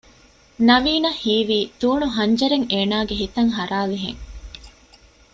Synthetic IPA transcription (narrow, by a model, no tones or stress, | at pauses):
nɐʋiːnɐhhiːʋiːd̪̥uːɳuɦɐɲd͡ʒɐɾeŋeːnaːɡeɦit̪ɐŋɦɐɾaːliɦḛŋ